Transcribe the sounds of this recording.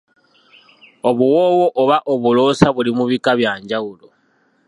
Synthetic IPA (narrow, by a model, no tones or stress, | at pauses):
oβuwo̞ːwo̞ʔoβaʔoβulo̞ːsaβulimuβikaβjaːɲɟawulo